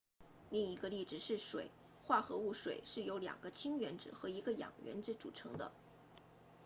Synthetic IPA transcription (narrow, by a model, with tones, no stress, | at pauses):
li˥˩ŋi˧˥ɡə˧li˥˩ʈ͡ʂɻ̩˨˩ʂɻ̩˥˩ʂwḛ˨˩˦ɪ | xwa˥˩xɤ˧˥u˥˩ʂwe˨˩ɪʂɻ̩˥˩jo˧˥ʊljɑ̰˨˩ŋɡ̥ə˦t͡ɕʰi˥ŋɥɛ˧˥nʈ͡ʂɻ̩˨˩xɤ˧˥i˧˥ɡə˧jɑ̰˨˩ŋɥɛ̰˧˥nʈ͡ʂɻ̩˥˩ʈ͡ʂṵ˨˩ʈ͡ʂʰɤ̰˧˥ŋd̪ə̰˧